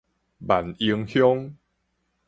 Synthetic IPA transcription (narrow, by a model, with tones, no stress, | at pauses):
ba˨˩ni˧əŋhjɔ˦ŋ